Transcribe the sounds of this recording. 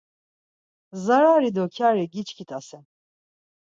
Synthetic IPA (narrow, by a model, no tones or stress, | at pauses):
zaɾaːɾid̪ɔkʰaːɾɛɡit͡ʃkʰit̪ʼasɛn